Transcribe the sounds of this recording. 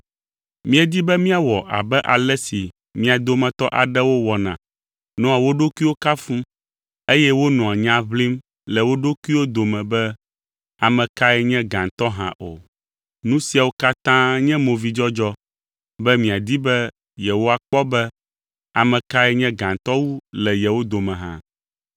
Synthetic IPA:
mĩ˦ɛ˨d̪i˦bɛ˦mĩ˦a˨wɔ˨ʔa̰˨bɛ˦ʔa˨lɛ˦si˨ | mĩ˦a˨d̪o˦mɛ̃˨t̪ɔ˦ʔa̰˨ɖɛ˦wo˦wɔ˨nã̰˨ | nɔ̃˦a˨wo˦ɖo˦kʷi˦wo˦ka˦fũ˦ | e˦jɛ˦wo˦nɔ̃˨a˨ɲã˦βli˦m | lɛ˨wo˦ɖo˦ku˦i˦wo˦d̪o˨mɛ̃˨bɛ˦ | a˨mɛ̃˨ka˦ɛ˦ɲɛ̃˦ɡã˨nt̪ɔ˦ɦã̰˨ʔo˨ | nũ˦si˨a˨wo˦ka˦t̪ã˦ɲɛ̃˦mõ˨vi˦d͡ʒɔ˦d͡ʒɔ˦ | bɛ˦mĩ˨a˨d̪i˦bɛ˦ | jɛ˨wo˦a˨k͡pɔ˦bɛ˦ | a˨mɛ̃˨ka˦ɛ˦ɲɛ̃˦ɡã˨nt̪ɔ˦wu˦lɛ˨jɛ˨wo˦d̪o˨mɛ̃˨ɦã̰˦

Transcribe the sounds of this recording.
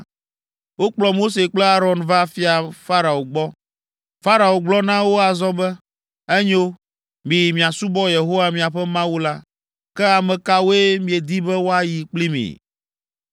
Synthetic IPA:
wo˦k͡plɔ˨mo˦s̬e˨k͡plɛ˦a˦ɾɔ˨nva˦fi˦a˨fa˦ɾa˨o˨ɡ͡bɔ˦ | fa˦ɾa˨o˨ɡ͡blɔ˦nã˦wo˦a˨zɔ˦bɛ˦ | ɛ˦ɲo˦ | mĩ˨mĩ˨a˨su˦bɔ˦je˨ɦo˦wa˨mĩ˨a˨ɸɛ˦mã˦wu˦la˦ | kɛ˦a˨mɛ̃˨ka˦wo˦e˦mĩ˨e˨d̪i˦bɛ˦wo˦a˨ji˨k͡pli˦mḭ̃˨

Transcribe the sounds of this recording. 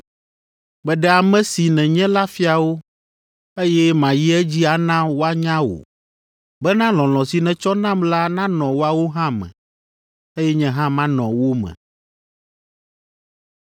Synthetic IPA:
bɛ˨ɖɛ˨a˨mɛ̃˨si˨nɛ̃˨ɲɛ̃˦la˦fi˦a˨wo˦ | e˦jɛ˦mã˨ji˦ɛ˦d͡ʑi˦a˨nã˦wo˦a˦ɲã˦wo̰˨ | bɛ˦nã˦l̃ɔ̃˨l̃ɔ̃˨si˨nɛ̃˨t͡ʃɔ˦nã˦mla˦nã˦nɔ̃˨wo˦a˨wo˦ɦã˦mɛ̰̃˨ | e˦jɛ˦ɲɛ̃˦ɦã˦mã˦nɔ̰̃˨wo˦mɛ̰̃˨

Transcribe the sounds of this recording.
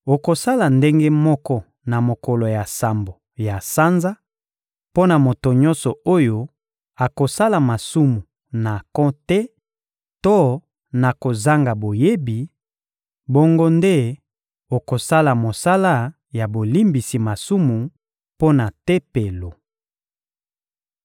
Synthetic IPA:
o˨ko˨sa˦la˨nde˦ŋɡe˦mɔ˦kɔ˦ | na˨mo˨kɔ˨lo˨ja˨sa˨mbo˨ | ja˨sa˦nza˦ | po˦na˨mo˨to˨ɲɔ̃˦nsɔ˨o˦jo˦ | a˨ko˨sa˦la˨ma˨su˦mu˨ | na˨kɔ̃˦tɛ˦ | to˦ | na˨ko˨za˦ŋɡa˨bo˨je˦bi˨ | bo˦ŋɡo˦nde˦ | o˨ko˨sa˦la˨mo˨sa˦la˦ | ja˨bo˨li˦mbi˨si˨ma˨su˦mu˨ | po˦na˨te˦pe˨lo˨

